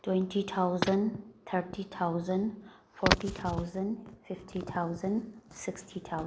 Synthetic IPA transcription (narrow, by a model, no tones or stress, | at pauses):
twɛ̃ntit̪ʰaʊzə̃nt̪ʰəɹʈit̪ʰaʊzə̃n | fɔɹtit̪ʰaʊzə̃ndfɪftʰit̪ʰaʊzə̃nsɪkstʰit̪ʰaʊ